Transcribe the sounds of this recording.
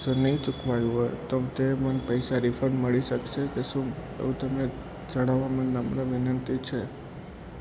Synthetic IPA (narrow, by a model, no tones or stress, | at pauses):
d͡ʒonəĩt͡ʃukʰʋajuɦojt̪omt̪emənpəjsaɾifəɾɳməɭiʃəkʃekeʃũ | ḛʋũt̪əme | d͡ʒəɽ̃aʋːamãnːəmnaʋɪnənt̪it͡ʃʰe